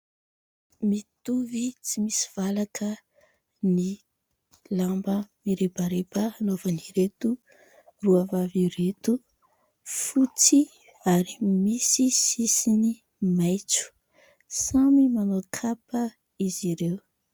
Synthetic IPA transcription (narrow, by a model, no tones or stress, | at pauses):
mit̪uvit͡simisi̥v̥alakʰə | ni | lambəmiɾebaɾepaːnovaniɾet̪u | ruavaviɾet̪u | fut͡si | aɾimisisisini | majt͡su̥ | samimanokʰapə | iziɾew